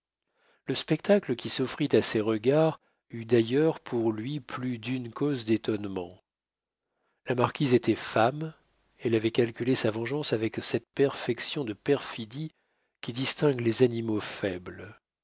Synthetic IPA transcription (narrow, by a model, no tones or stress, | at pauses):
ləspɛkt̪akləkʲisɔfχit̪aseʁəɡaʁ | yd̪ajœʁpʰuʁlɥiplyd̪ynkozd̪et̪ɔnmɑ̰̃ | lamaʁkʲizet̪ɛfam | ɛlavɛkalkʲylesavɑ̃ʒɑ̃savɛksɛt̪̚pɛʁfɛksjɔ̃d̪əpɛʁfid̪i | kʲid̪ist̪ɛ̃ɡlezanimofɛbl